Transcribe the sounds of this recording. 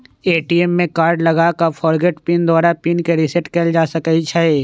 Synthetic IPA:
eːʈiemːẽkaːɾɖlɐɡakafʰɔːɾɡeʈpiːnd̪ɔːɾapinkeɾɪsɛʈkeld͡ʒaːsɐkəit͡ʃʰae

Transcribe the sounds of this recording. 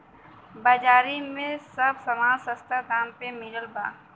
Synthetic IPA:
bad͡ʒaːɾimẽsɐbsɐmaːsɐst̪ʰad̪aːmpemɪɾəlba̰ː

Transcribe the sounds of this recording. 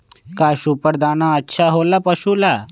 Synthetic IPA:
kajɕupəɾd̪anãətːɕʰaɦolapəɕula

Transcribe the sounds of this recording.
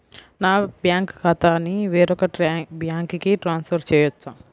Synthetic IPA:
naːbjaːŋkkɐt̪aːniʋeːɾɔkɐbjaːŋkkiʈɾaːnspʰɐɾt͡ʃɛːjɐt͡ʃːaː

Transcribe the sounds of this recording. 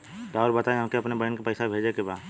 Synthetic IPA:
ɾaːʊɾbɐt̪aːẽɦãːkeɐpnebɐnkapɐɪsabʱeːd͡ʒekebaːd̪

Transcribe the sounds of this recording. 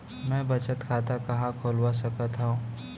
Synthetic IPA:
mɛ̃ːbɐt͡ʃət̪kʰaːt̪akɐɦãkʰoːlwas̬ɐkət̪ɦũː

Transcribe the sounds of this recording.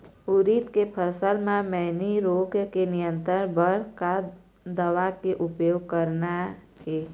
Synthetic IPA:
ʊɾit̪kepʰəsəlmẽmɛɦniɾoːɡkenɪjə̃nt̪əɾbəɾka | d̪əʋakeʔʊpjoːɡ̚kəɾna | ɦeː

